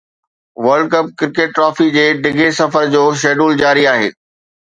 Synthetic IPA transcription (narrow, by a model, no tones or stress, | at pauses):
ʋɐɾɖ̚kɐp̚kɪɾkeːʈ̚ːɾɔːfid͡ʑeːɖɪɡʱesɐfəɾd͡ʑoːʃ̬eːɖuːld͡ʑaːɾiaːɦḛː